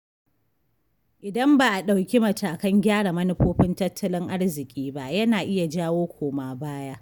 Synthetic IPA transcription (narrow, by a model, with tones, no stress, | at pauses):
ʔɪ˨dɐ˦mbaː˨ʔa˨ɗa˨wkʲi˦mɐ˨tʰaː˨kɐ˦ŋɡʲaː˦ɽa˨mɐ˦nɪ˦ɸoː˦ɸɪ˦ntɐ˦tːɐ˦lɪ˦ŋʔa˦ɽzɪ˨kʲʼiː˦ba˦ʔjɐ˦naː˨ʔɪ˦ja˨d͡ʒaː˦woː˦kʷoː˨maː˨baː˦ja˦ʔ